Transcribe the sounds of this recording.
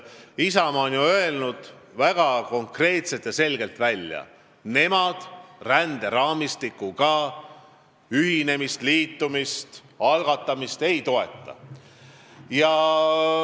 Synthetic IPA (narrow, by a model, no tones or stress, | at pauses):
isɑmɑonjuø̞e̞lnud̪̥ | væɡ̥ɑko̞ŋkre̞ːt̪set̪jɑse̞lɡ̥e̞lt̪vælʲjɑ̰ | ne̞mɑd̪̥rænd̪̥e̞ɾɑːmist̪ikːukɑː | yɦine̞mist̪liːt̪ːumist̪ | ɑlɡ̥ɑt̪ːˑɑmist̪e̞jt̪o̞e̞t̪ːˑɑ̰ | jɑ